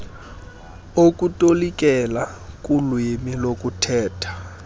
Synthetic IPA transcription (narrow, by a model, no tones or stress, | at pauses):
ok̬ʼutʼolikʼɛla | kʼulwemilok̬ʼutʰɛːtʰḁ